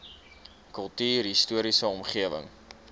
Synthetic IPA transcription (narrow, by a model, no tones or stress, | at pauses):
kəlˠtyːrɦistuəɾisəɔmχiəvə̰ŋ